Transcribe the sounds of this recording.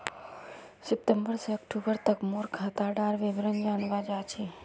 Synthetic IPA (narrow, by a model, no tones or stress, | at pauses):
sɪp̚ʈəmbəɾseəkʈubəɾt̪əkmuɾkʰat̪aɖaɾʋɪbɾənd͡ʒanʋad͡ʒat͡ʃʰe